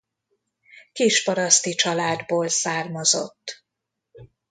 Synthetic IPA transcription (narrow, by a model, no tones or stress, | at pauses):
kiːʃpɒɾɒst̪it͡ʃɒlaːd̪boːlsaːrmɒzo̞̰t̪ː